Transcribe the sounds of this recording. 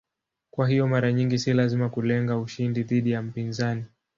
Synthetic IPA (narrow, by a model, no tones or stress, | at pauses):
kwaɦijɔmaɾaɲiŋɡisilazimakulɛŋɡauʃindiðiɗijam̩pinzani